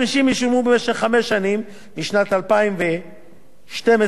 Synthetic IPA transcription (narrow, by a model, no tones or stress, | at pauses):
iʃimjiʃumubemeʃeχːame̞ʃanimː | iʃnat̪alpaimve | ʃteme